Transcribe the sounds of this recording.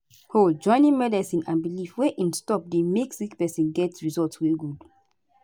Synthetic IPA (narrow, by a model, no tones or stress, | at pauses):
hod͡ʒɔ̃ɪ̃nĩnmɛdɛsĩnãnbilifweʔĩnstɔp̚demeksikpɛsĩnɡɛtɹizɔltsweɡud